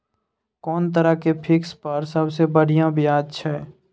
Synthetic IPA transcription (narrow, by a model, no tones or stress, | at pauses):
kɔːnt̪̬əɾəɦkepʰɪkspəɾsəbsebəɽ̤ijãbʱijaːd̪̚t͡ʃʰɛː